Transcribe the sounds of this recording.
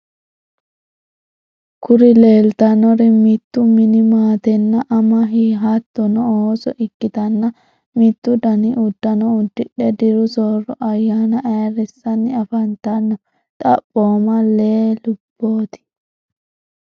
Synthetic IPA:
kʊɾɪleːlt̪ɐnɔɾɛmɪt̪ːʊmɪnɪmaːt̪ɛnːɐʔɐmɐɦiːɦɐt̪ːɔnɔoːsɔʔɪkːɪt̪ɐnːɐ | mɪt̪ːʊd̪ɐnɪʔʊd̪ːɐnɔʊd̪ːɪᶑɛd̪ɪɾʊsoːɾɔʔɐjːaːnɐʔɛːɾɪsːɐnːɪɐfɐnt̪ɐnːɔ | t̪ʼɐpʼːoːmɐleːlʊb̥ːo̞ːt̪ɪ̥

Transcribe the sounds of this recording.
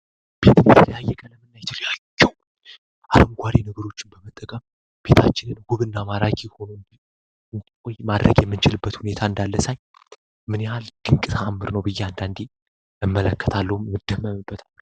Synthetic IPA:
b̥e̞t̪ɨnjɛt̪ʰələjajːɛkʼələmɨnːajt̪ʰələjad͡ʒːəw | ʔaləmɡʷaɾenɨɡɨɾo̞t͡ʃːɪnbəmət̪ʼːəkʼəm | b̥e̞t̪ʰat͡ʃːɪnɨnhuβɨnːamaɾakʼiho̞noɨnd͡ʒ̪i | ɨnkʷʼojmad̪ɾəɡjɛmːɨnt͡ʃɪlɨbːət̪hune̞t̪ʰaɨnd̪alːəsaj | mɨnehald̪̥ɨŋkʼɨt̪ʰaamːɨɾnəwbɨjːɛand̪and̪e | ɨmːələkːə̥t̪ʰalːəhummɨd̪ːəmːəmɨbːət̪ʰalː

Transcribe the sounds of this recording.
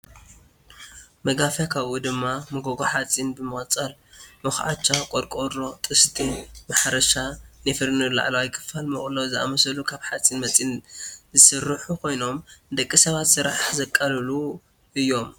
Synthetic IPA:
mɐɡafjakʰaβʔud̪ɨmːamɨɡoɡoħat͡sʼːinbɨmɨχʼt͡sʼɐlmɨxʕa̰t͡ʃːakʼoɾkʼodɾot̪ʼɨst̪ʰimaħɾɐʃanɨfɨɾnɨla̰ʕlawijkʰɨ̥falmɨχʼlozɨʔa̰mɐsɐlukʰaβħat͡sʼinmɐt͡sʼinzɨsɨrːɨħukʰo̞jno̞md̪ɐkʼːisɐβat̪sɨɾaħzɐkʼːɐlɨlu | ʔɨjːo̞m

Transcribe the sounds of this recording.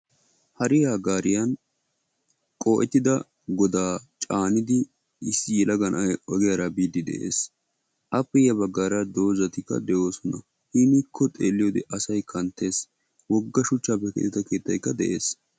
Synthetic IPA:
hɐɾɪjaːɡaːɾɪjɐn | kʼoːʔɛt̪ːɪd̪ɐ | ɡɔd̪aːt͡ʃʼaːnɪd̪ɪː | sːɪjɛlɐɡɐnɐɔɡɛjɐɾɐbiːd̪ɪd̪ɛ̰ʔe̞̰ːs | ʔɐpːɛjɐbɐɡːaːɾɐd̪o̞ːzɐt̪ɪkːɐ̰d̪ɛʔo̞ːsɔnɐ | hiːnɪkʰːɔt̪ʼḛːlːɪjoːd̪ɛʔɐsɐjkʰɐnt̪ːe̞ːs | wɔɡːɐʃʊt͡ʃːaːpːɛkɛ̰t̪ːɪt̪ɐke̞ːt̪ːɐjkːɐd̪ɛ̰ʔḛːs

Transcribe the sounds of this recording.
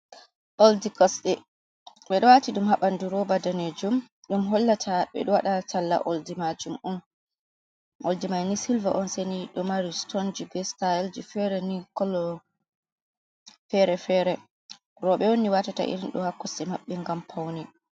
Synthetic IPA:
ʔoldikɔsɗɛ | ɓɛɗɔwatiɗumhaɓanduɾɔbadaned͡ʒum | ɗumɦɔlːatʰaɓɛ̰ɗɔwaɗatʰalːa̰ʔoldimad͡ʒumʔun | ʔoldimajnisilva̰ʔɔnseniɗɔmaɾistɔnd͡ʒibɛstajɛld͡ʒifɛɾɛnikɔlːɔ | fɛɾɛfɛɾɛ | ɾɔɓɛwoniwatata̰ʔḭɾinɗɔ̰hakːɔsɗɛmaɓːiŋɡampʰawni

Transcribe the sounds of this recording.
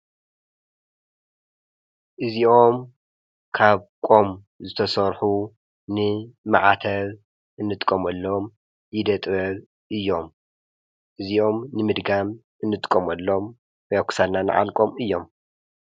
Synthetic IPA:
ʔɨzio̞m | kʰaβkʼo̞m | zɨt̪ʰɐsɐɾħu | nɨmaʕat̪ʰɐβ | ʔɨnːɨt̪ʼɨkʼːɐmɐlːom | jɪd̪ɐt̪ʼβɐβ | ʔɨjːo̞m | ʔɨzio̞mnɨmɨd̪ɡam | ʔɨnːɨt̪ʼɨ̥kʼːɐmɐlːo̞m | wokʰsalnanɨ̰ʕa̰lkʼo̞mɨjːo̞m

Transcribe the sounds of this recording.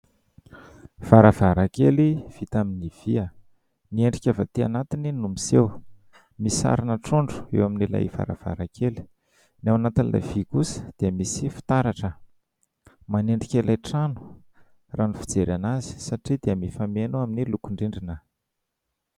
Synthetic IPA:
v̥aɾəv̥aɾakeliv̥it̪aminiv̥iə | nieɳɖ͡ʐikʲavat̪ia̰nat̪ininumisew | misa̰ɾinaʈ͡ʂoɳɖ͡ʐu̥ḛwaminila̰jv̥a̰ɾə̰v̥a̰ɾakʰeli̥ | nawanat̪inlʔa̰vikusə̥d̪̥iəmisifi̥t̪aɾaʈ͡ʂə | maneɳɖ͡ʐikʲalajʈ͡ʂanu̥ | ranifi̥d͡zeɾanazi̥saʈ͡ʂid̪iəmifamenuaminilukuɳɖ͡ʐiɳɖ͡ʐinə

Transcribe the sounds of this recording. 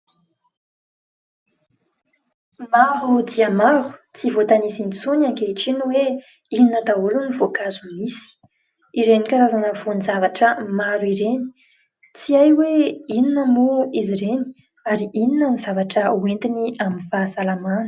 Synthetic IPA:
maɦud̪iəmaɾu̥t͡sivot̪anisinit͡sunaŋkeiʈ͡ʂinuwe | ininəd̪aulunivokazumisi̥ | iɾenikaɾazanəvonizavaʈ͡ʂəmaɾuiɾeni̥ | t͡siajweininəmoiziɾeni̥ | aɾiʔininənizavaʈ͡ʂəwent̪iniamifasalamanə̥

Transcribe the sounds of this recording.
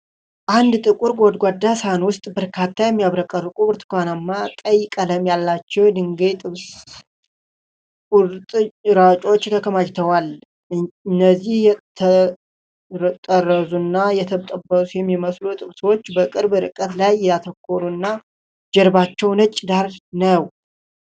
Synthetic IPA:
ʔand̪t̪ʼɨkʼuɾɡod̪ɡʷad̪ːashanwʊst̪ʼbəɾkʰat̪ʰːajɛmːijaβɾəkʼərːkʼuβɨɾt̪ʰɨ̥kʷanamːat̪ʼəjːɪkʼələmjalːat͡ʃːɛwd̪ɨŋɡet̪ʼɨβs | kʼʊɾt̪ʼɾat͡ʃʼo̞t͡ʃːt̪ʰəkʰəmad͡ʒt̪ʰəwal | ɨnːəzːihjɛt̪ʰə | t̪ʼərːəzunːajɛt̪ʰəβt̪ʼəbːəsʼujɛmːiməslut̪ʼɨβswot͡ʃːbəkʼɨɾbɾɨ̰kʼət̪lajːɛat̪ʰəkʰːoɾunːa | d͡ʒɛɾbat͡ʃːɛwnət͡ʃʼːɪd̪aɾnəw

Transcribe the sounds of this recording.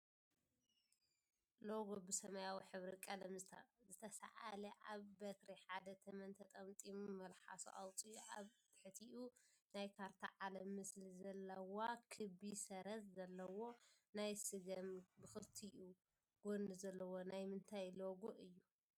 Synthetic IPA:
loɡobɨsɐmɐjawiħɨβɾikʼɐlɐmzɨt̪ʰɐsa̰ʔalɐʔaβbɐt̪ɾiħad̪ɐt̪ʰɐmɐnt̪ʰɐt̪ʼɐmt̪ʼimumɐlħa̰sṵʔawt͡sʼiuʔaβ | ħɨt̪ʰiʔunajkʰaɾt̪ʰa̰ʕalɐmːɨslizɐlːɐwakʰɨbisɐɾɐzzɐlːɐwo̞ | najsɨɡɐmbɨxɨɾt̪ʰiʔu | ɡ̥onɨzɐlːɐwo̞najmɨnt̪ʰajloɡoʔɨjːu

